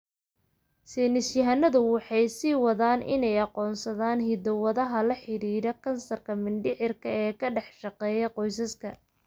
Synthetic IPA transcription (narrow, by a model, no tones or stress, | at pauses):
sɛːnɪsjɐɦɐnɐðʊwɑħɑjsiːwɑðaːnʔɪ̰nɛjɑqɔːnsɐðaːnɦɪd̪ɔwɐðɐɦɐlɐħɪɾiːɾɐkʰɐnsɐrkʰɐmɪnɖɪʕɪrkʰɐɛːkʰɐɖɛħʃɑqɛːjɐqɔjs̬ɐskʰɐ